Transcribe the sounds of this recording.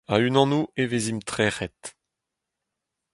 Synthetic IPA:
aynɑ̃nuʔevezimt̪χɛːʁɛt̪

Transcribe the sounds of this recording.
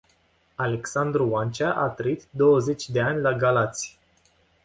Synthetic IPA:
ale̞ksand̪ɾuwant͡ʃaʔat̪ɾəit̪d̪o̞wəze̞t͡ʃʲd̪e̞anʲlaɡalat̪sʲj

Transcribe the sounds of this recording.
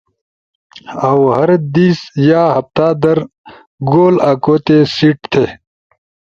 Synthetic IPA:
ɐwhɐɾd̪iːsjaːɦɐft̪aːd̪ɐɾ | ɡoːlaːkoːt̪esiːʈt̪ʰeː

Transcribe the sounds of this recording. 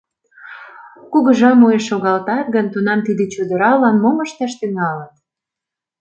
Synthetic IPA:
kuɣə̆ʒɑmujeʃːoɣɑlt̪ɑt̪̚ɣənt̪unɑmt̪id̪et͡ɕud̪əɾɑlɑnmoməʃt̪ɑʃt̪yŋɑlət̪

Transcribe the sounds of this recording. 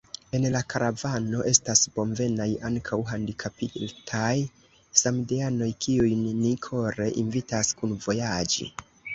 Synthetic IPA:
e̞nlakʰaɾavano̞ʔe̞stasb̥o̞mve̞najaŋkʰawɦandikʰapitʰaj | samdeano̞jkiujnːikʰo̞ɾe̞ʔinvitaskunvo̞jad͡ʒḭ

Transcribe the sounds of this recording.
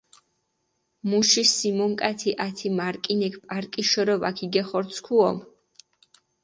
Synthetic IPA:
muʃisimɔŋkʼat̪ʰiʔat̪ʰimaɾkʼinɛkʰpʼaɾkʼiʃɔɾɔva̰kʰiɡɛχɔɾt̪sʰkʰuɔm

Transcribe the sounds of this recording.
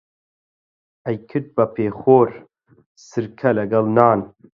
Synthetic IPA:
ɐjkʰɨt̪̚bɐpʰeːxoːɾ | sɨɾkʰɐlɐɡɐlnaːn

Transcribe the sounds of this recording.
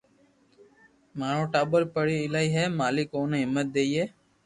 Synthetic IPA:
maːɽõːʈaːɓəlpəɽiːɪlaːiːɦɛːmaːlikoːneːɦɪmːət̪̚d̪eːiːɦeː

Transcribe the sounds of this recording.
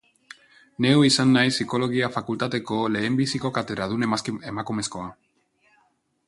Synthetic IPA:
ne̞uisanːajsiko̞lo̞ɣ̞iafakult̪at̪e̞ko̞le̞ːmbisiko̞kat̪e̞ðɾaðune̞makume̞sko̞a

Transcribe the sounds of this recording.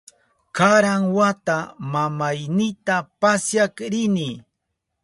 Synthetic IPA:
kaɾaŋwat̪amamajnɪt̪apasjakɾɪnɪ

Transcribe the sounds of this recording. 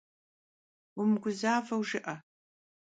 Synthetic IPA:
ʊmɡʷʊzaːvɐwʒɪʔɐ

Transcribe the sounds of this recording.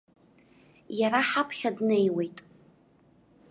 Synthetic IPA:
jaɾaħapʰχʲadnejwe̞jtʼ

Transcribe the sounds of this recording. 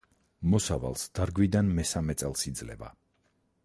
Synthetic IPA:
mɔsava̰lˠsd̪̥aɾɡwid̪anmɛsamɛt̪sʼɛlˠsid̪zlɛ̰va̰

